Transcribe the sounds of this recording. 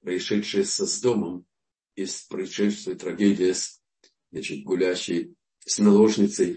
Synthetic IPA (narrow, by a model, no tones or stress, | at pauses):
pɾəɪʂɛt̪ʂɨjəsɐzd̪oməm | ispɾəɪʂɛst̪vʲɪjət̪ɾɐɡʲedʲɪjəs | znɐt͡ɕɪt̪̚ʲɡʊlʲæɕːɪj | snɐlˠoʐnʲɪt̪səj